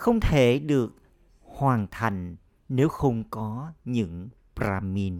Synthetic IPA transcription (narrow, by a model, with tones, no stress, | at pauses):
xə˧wŋ͡mt̪ʰe˧˩ɗɨ˨˩ək̚ | hwaː˨˩nt̪ʰa˨˩jŋ̟ | ne˨˦wxə˧wŋ͡mkɔ˨˦ɲɨ̰˧˥ŋ | pɾaː˧mi˧n